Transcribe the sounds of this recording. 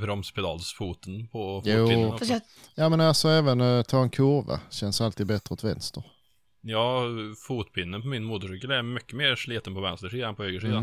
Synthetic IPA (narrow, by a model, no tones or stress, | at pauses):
bɾɔmspʰɪd̪ɑ̰ːlsfuːt̪ənpʰɔjuːf | jɑːmɛnalsɔɛːvənt̪ʰɑːɛnkʰʊɾva̰ɕɛnsalt̪iːd̪bɛt̪ɾəɔt̪vɛ̰nst̪əɾ | jɑːfuːt̪pʰɪnːəpʰɔmɪnmuːt̪ʊʂʏkːəlæɾmʏkːəmeːɾʂliːt̪ənpɔvɛnst̪əʂiːd̪anpʰɔhøːɡəʂid̪an